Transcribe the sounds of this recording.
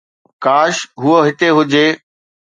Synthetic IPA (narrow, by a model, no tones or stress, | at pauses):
kaːʃɦʊoɦɪt̪eɦʊd͡ʑeː